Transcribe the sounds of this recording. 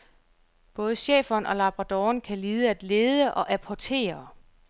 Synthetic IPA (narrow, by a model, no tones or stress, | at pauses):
b̥ɔ̽ːð̞ˠəɕḛːfɐnʔɒ̽lɑ̈b̥ʁɑd̥ɒːnkʰæliːð̞ˠəæd̥le̝ːð̞ˠəʔɒ̽ʔæpʰɒt͡sʰe̝̰ːɐ